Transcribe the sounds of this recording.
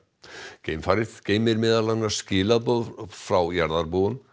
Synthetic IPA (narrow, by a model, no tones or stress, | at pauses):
ceːjmfaːɾɪðceːjmɪɾmɪːðalanascɪːlapɔðfɾawjaɾðaɾpoɣʏm